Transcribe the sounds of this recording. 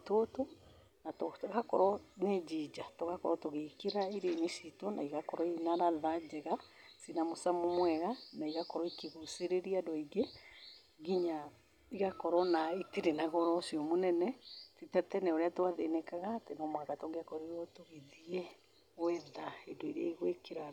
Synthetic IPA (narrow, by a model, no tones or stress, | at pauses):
toto | natɔɣakɔɾɔned͡ʒid͡ʒatoɣakɔɾɔtoɣekeɾaiɾeinesitwɔnaiɣakɔɾɔinaɾaðad͡ʒɛɣa | sinamosamomwɛɣanaiɣakɔɾɔikiɣuseɾeɾiadɔiɡe | ɣiɲa | iɣakɔɾɔnaiteɾenaɣɔɾɔsiɔmonɛnɛtitatɛnɛoɾeatoaðenɛkaɣatenɔmwakatɔɡeakɔɾeɔtoɣeðiɛ | wɛðaedoiɾeaiɣwekeɾa